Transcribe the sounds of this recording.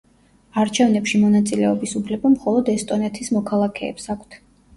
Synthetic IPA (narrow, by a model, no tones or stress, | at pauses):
aɾt͡ʃʰɛvnɛpʃimɔnat̪sʼilɛɔbisupʰlɛbamχɔlˠɔd̪ɛst̪ʼɔnɛt̪ʰismɔkʰalˠakʰɛ̰ːpsakʷʰt̪ʰ